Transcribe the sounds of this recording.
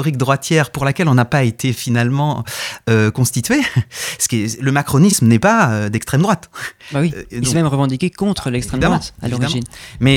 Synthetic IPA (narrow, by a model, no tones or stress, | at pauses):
ɔʁik̚d̪ʁwat̪jɛʁpuʁlakʲɛlɔ̃napaet̪ʰefinalmɑ̃økɔ̃st̪it̪ɥesə̥kʲɛləmakχɔnismnɛpaød̪ɛkst̪χɛmd̪ʁwat̪bawid̪ĩsɛmɛmʁəvɑ̃d̪ikʲekɔ̃t̪χəlɛkst̪χɛmd̪ʁat̪a̰lɔʁiʒinmɛ